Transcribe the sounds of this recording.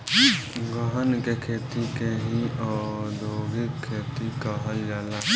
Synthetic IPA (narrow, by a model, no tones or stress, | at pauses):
ɡəɦənkekʰeːt̪ikeɦĩɔːɾd̪ʱoːɡikʰːeːt̪ikaɦəld͡ʒaːlaː